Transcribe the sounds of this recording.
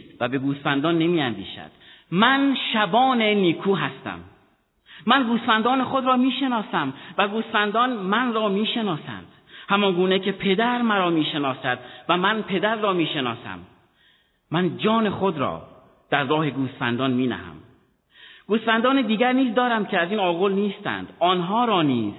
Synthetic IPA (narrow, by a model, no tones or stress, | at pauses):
st̪væbe̞ɡuːsfænd̪ɒːnːe̞miːænd̪ḭːʃæ̰d̪̥mænʃæbɒːne̞niːkʰuːɦæst̪æ̰mː | ænɡuːst̪fænd̪ɒːne̞xod̪ɾɒːmiːʃe̞nɒːsæmvæɡuːst̪fænd̪ɒːnmænrɒːmiːʃe̞nɒːsæ̰nd̪̥hæmɒnɡuːne̞cʰe̞pʰe̞d̪æɾmæɾɒːmiːʃe̞nɒːsæd̪̥væmænpʰe̞d̪æɾːɒːmiːʃe̞nɒːsæ̰mː | ænd͡ʒɒːne̞xod̪ɾɒ̰ː | d̪̥æɾːɒːhe̞ɡuːst̪fæ̰nd̪ɒːnmiːnæ̰hæ̰m | ɡ̥uːst̪fænd̪ɒːned̪iːɡæɾniːzd̪ɒːɾæmcʰeæziːnɒːɣo̞lniːst̪æ̰nd̪ɒːnɦɒːɾɒːniːz̥